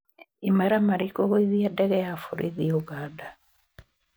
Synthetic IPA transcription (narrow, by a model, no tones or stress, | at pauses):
imaɾamaɾikoɣwiðiadɛɣɛjafuɾʔḭðioɡaːda